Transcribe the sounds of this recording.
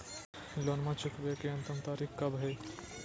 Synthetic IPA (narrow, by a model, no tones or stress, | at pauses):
lonmãt͡ʃʊkʋekeɐ̃nt̪əmt̪aːɾikkɐbɦɛ